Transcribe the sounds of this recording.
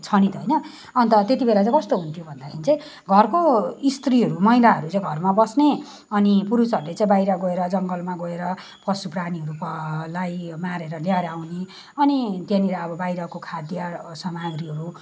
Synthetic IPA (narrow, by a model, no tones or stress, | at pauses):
t͡sʰʌnit̪ɦʌjnʌ | ʌnt̪ʌt̪et̪ibelat͡saĩkʌst̪oɦunt̪ʰijobʱʌnd̪akʰinit͡saj̃ | ɡʱʌrkoist̪riɦʌɾumʌɦilaʌɾut͡saĩɡʱʌrmabʌsne | ʌnipuɾut͡sʌɾulet͡saĩbajɾʌɡoeɾʌd͡zʌŋɡʌlmaɡoeɾʌ | pʌsupraniɦʌɾupʌlajmaɾeɾʌljaɾawne | ʌnit̪jeniɾaːbʌbajɾʌkokʰad̪jʌsʌmaɡriɦʌɾu